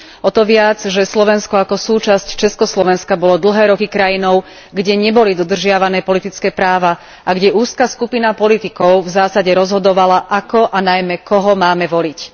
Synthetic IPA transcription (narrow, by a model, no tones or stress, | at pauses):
ɔt̪ɔʋɪad͡zʒɛslɔʋɛnskɔakɔsuːt͡ʃasct͡ʃɛskɔslɔʋɛnskabɔlɔd̪l̩ɦɛːɾɔkikɾajinɔʊ | ɡɟɛɲɛbɔlid̪ɔd̪r̩ʒɪaʋanɛːpɔlit̪it͡skɛːpɾaːʋa | ʔaɡɟɛʔuːskaskupinapɔlit̪ikɔʊvzaːsaɟɛɾɔzɦɔd̪ɔʋalaʔakɔʔanajmɛkɔɦɔmaːmɛʋɔlic